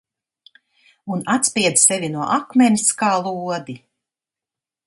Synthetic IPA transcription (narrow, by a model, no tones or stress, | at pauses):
unat̪spʲiɛd̪zsɛvʲinuɔʔakmʲɛniskaːlˠuɔd̪i